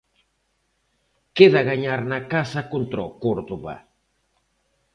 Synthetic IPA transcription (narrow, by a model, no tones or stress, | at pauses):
keðaɣaɲaɾnakasɐkont̪ɾɔkoɾðuβa̰